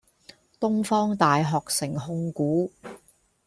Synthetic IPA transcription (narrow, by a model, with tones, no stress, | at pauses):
t̪ʊ˥ŋfɔː˥ŋt̪aː˨jɦɔː˨k̚sɪ˨˩ŋhʊ˧ŋkuː˨˥